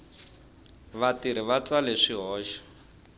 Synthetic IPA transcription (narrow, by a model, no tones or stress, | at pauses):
βatiɾ̤iβat͡saleʂiɦɔːʃḁ